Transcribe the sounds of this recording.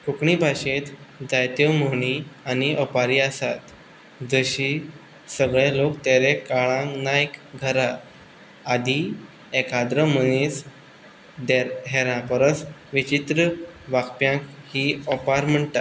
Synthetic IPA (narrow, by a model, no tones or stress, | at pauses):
kukɳibʱaɕet̪d͡zajt̪jəmoɳ̃ianiʔɔpaɾiːəsat̪ | d͡zəɕi | səɡɭelokt̪eɾekaɭãnakɡʱəɾaː | d̪ʱi | ekad̪ɾəmənis | d̪eɾɦɛɾãpəɾəsʋit͡ɕit̪ɾəʋakpjãkhiːɔpaɾm̤əɳt̪at̪